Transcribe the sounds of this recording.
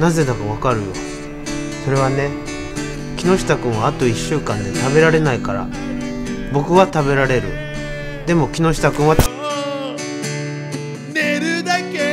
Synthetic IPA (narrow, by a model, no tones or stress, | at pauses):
naze̞d̪akaβ̞akaɾɯ̟jo̞̰ | so̞ɾe̞βane̞ | kʲino̞ɕi̥t̪akɯ̟̃ɰ̃βaːt̪o̞iɕːɨːkãnd̪e̞t̪abe̞ɾaɾe̞naikaɾa̰ | bo̞kɯ̟βat̪abe̞ɾaɾe̞ɾɯ̟̰ | d̪e̞mo̞kʲino̞ɕi̥t̪akɯ̃ɰ̃a | eɾa